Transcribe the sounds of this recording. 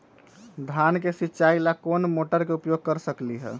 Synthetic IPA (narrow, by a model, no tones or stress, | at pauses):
d̪ʱankesitːt͡ʃailakonmoʈəɾkeupjoɡ̚kəɾsəkliɦɛ̰